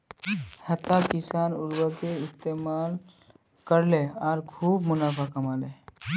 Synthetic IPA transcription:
hət̪ːakɪsaːnʊɾwəkeɪst̪emal | kəɾleɔːɾkʰuːbmʊnaːpʰakəmale

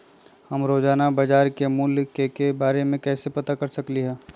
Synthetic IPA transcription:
hɐmɾoːd͡ʒaːnabɐd͡ʒaːɾkemʊlkkebaːɾemẽkɛːsepɐt̪akɐɾsɐkliɦɛː

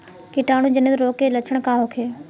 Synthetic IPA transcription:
kɪʈaːɽ̃ũd͡ʑɐnet̪ɾoːkelɐt͡ʃʰəɽ̃kaːɦoːkʰeː

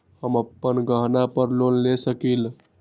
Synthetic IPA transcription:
həməpːənɡəɦnapəɾlonlesəkil

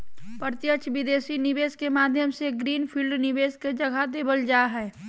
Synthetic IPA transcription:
pəɾt̪jət͡ʃʋɪd̪eːsinɪʋeːskemaːd̪ʱjəmseɡɾiːnpʰiːlɖnɪʋeːsked͡ʒɐɡʱad̪eːbəld͡ʒaːɦɛː

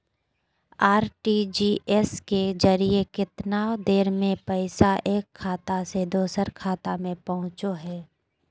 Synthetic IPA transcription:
aːɾʈid͡ʒiʔɛsked͡ʒəɾiekɪt̪naːod̪eːɾmẽpəɪsaʔeːkʰːaːt̪ased̪oːsəɾkʰaːt̪amẽpɐɦʊ̃t͡ʃoɦɛː

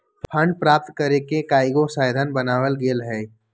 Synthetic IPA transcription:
ppʰə̃ɳɖpɾaːp̚t̪kəɾekekaːɪɡosaːɪd̪ʱanbɐnaːʋəlɡeːlɦɛː

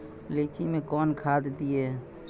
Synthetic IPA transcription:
liːt͡ʃimẽkɔːnkʰaːd̪d̪ieː

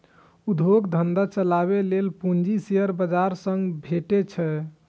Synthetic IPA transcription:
ud̪ʱoɡd̪ʱənd̪at͡ʃəlaβelelpuɲd͡ʒisijəɾbəd͡ʒaɾsəŋɡbʱeʈet͡ʃʰɛ

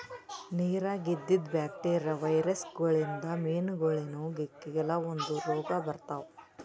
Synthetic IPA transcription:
niːɾaːɡid̪ːid̪bjaːk̚ʈeːɾɾɐʋɐjɾɐsɡɐɭind̪ɐmeːnɡoɭenuɡekːiɡɛlɐond̪uɾɔːɡɐbɐɾt̪aʋ

